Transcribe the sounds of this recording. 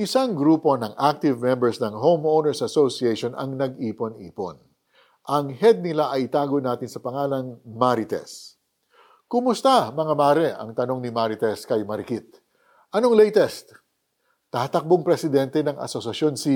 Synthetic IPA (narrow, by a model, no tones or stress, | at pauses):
ʔɪsaŋɡɾuːpo̞nɐŋʔak̚t̪ɪvmɛmbɛɹsnɐŋɦowmownɛɹsɐsosieʃonɐ̰ŋnɐɡ̚iːpo̞nḭːpo̞̰n | ʔɐŋhɛd̪̚nɪlaʔɐjɪt̪aːɡonaːt̪ɪnsɐpɐŋaːlɐnmaɾɪt̪ɛ̰s | kʊmʊst̪amɐŋamaːɾɛɐ̰ŋt̪ɐno̞ŋnɪmaɾɪt̪ɛskɐjmɐɾɪkit̪̚ | ʔɐno̞ŋlɛjt̪ɛst̪ | t̪ːat̪ɐk̚boŋpɾɛsɪd̪ɛnt̪ɛnɐŋʔɐ̰sosɐsjo̞nsi